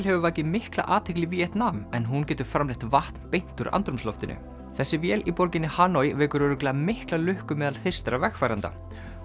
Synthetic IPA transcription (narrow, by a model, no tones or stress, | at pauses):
lɦɛvʏvaːjcɪmɪhkla̰ʔaːt̪ʰehklɪviɛht̪namɛnɦuncɛːt̪ʏɾ̥fɾamlɪht̪vaht̪npejn̥t̪ʏɾʔa̰nt̪ɾʏmslɔft̪ɪnʔʏ̰ | θɛsːɪvjɛːlipɔɾcɪnɪhaːnɔjvɛːkʏɾʏɾʏklaamɪhklalʏhkʏmɛːðalθe̥st̪ɾavɛxfaːjɾant̪a̰